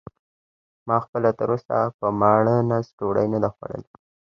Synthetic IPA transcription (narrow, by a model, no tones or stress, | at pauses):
mɑxpəlat̪əɾosa̰pəmɑɽənasʈoɽajnad̪axwa̰ɽə̰l